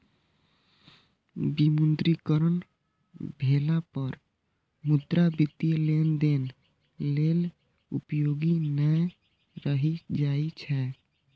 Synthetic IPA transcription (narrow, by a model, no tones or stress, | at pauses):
bimund̪ɾikəɾən | bʱelapəɾ | mud̪ɾabit̪ielend̪en | lel | ṵpjoɡinə | ɾəɦid͡ʒait͡ʃʰɛ